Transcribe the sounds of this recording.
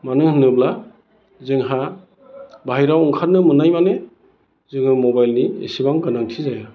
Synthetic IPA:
manɯŋhɯnɯbla | zɯŋɦa | bajɾawɔŋkʰatnːɯmɯnajmane | zɯŋɯmɔbajlniḛsibaŋɡɯnaŋtʰizaja

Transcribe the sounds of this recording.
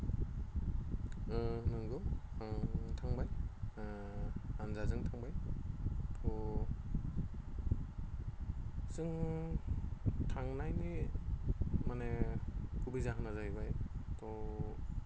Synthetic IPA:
nɯŋɡɯw | tʰaŋbaj | anzazɯŋtʰaŋbaj | tʰɔ | z̥ɯŋ | tʰaŋnajni | manekubizaɦɯnazajbajtʰɔ

